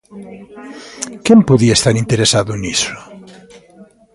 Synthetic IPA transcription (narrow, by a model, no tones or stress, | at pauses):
kempuðiaest̪aɾint̪eɾesaðunisu̥